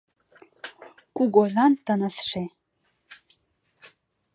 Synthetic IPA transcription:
kʷʼuɡʷozand̥anasʂej

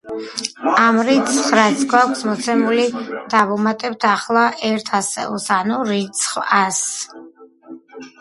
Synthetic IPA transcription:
amɾit̪sʰχɾat̪sʰɡwakʷʰsmɔt̪sʰɛmulid̪̥avumat̪ʼɛb̚t̪ʰaχlˠaʔɛɾt̪ʰasɛ̰ṵlˠsanuɾit̪sʰχvas

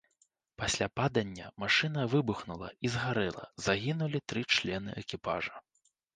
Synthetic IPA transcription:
pasʲlʲapad̪ɐnʲːɐmaʂɨn̪ɐvɨbuxnulˠɐ̰izɣaɾɛlˠɐ̰zaɣʲinulʲit̪ɾɨt͡ʂlʲɛnɨ̰ʔɛkʲipa̰ʐɐ

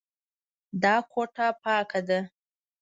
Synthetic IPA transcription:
d̪ɑkʰoʈapɑkad̪a

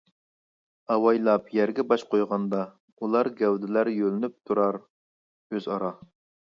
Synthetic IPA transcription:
ɑwɑjlˠɑpjæɾɡʲɛbɑʃqʰojʁɑnd̪ɑ | ulˠɑɾɡʲɛwd̪ɪlæɾjølɪnyp̚t̪ʰuɾɑɾ | øzɑɾɑ

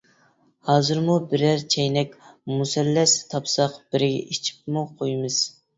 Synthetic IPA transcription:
hɑːzɨɾmubɪɾæɾt͡ʃʰɛjnɛkʲmusɛlːɛst̪ʰɑpsɑqb̥ɪɾɪɡʲɛ̰ʔit͡ʃʰi̥p̚muqʰojmɨz̥

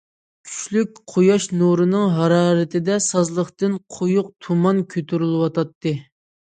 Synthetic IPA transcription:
kʲʰy̥ʃlyk̚ʲqʰojɑʃnuɾɨnɨŋɦɑɾɑːɾɨt̪ʰɪd̪ɛsɑzlˠəχt̪ɨnqʰojʊq̚t̪ʰumɑnkʲʰøt̪ʰyɾylˠɨwɑt̪ʰɑt̪ːɨ

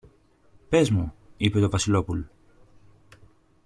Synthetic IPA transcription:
pe̞zmuipe̞t̪o̞vɐsilo̞pulo

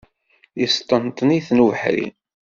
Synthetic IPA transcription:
ist̪ˤːənt̪ˤniθnuvəħɾḭ

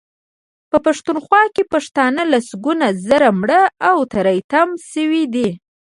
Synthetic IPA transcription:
pəpaʂt̪unxwɑkepaʂt̪ɑnəlasɡunazəɾamɽəawt̪aɾajt̪amsəwid̪i

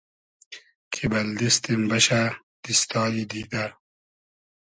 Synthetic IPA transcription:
kʰibɐld̪ist̪imbɐɕa | d̪̥ist̪ɑːlid̪id̪a

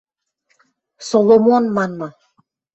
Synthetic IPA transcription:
solˠomonmɑnmɤ

